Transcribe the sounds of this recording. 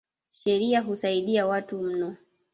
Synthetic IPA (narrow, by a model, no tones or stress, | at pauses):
ʃɛɾiaɦusaiɗiawatum̩nɔ